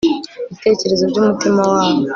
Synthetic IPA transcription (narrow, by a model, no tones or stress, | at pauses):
βite̞ːce̞ɾe̞zobɟumutimawaːwo